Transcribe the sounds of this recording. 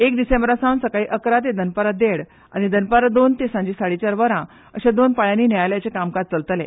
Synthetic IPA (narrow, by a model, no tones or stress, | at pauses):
ekd̪isẽmbɾasãnsəkaiːʔəkɾat̪ed̪ənpəɾad̪eɽ | a̰nid̪ənpəɾad̪ont̪esãɲd͡ʑiːsaɽit͡ɕaɾʋəɾã | əɕẽd̪onpajãniːnjajljat͡ɕekamkat̪̚t͡səlt̪lḛ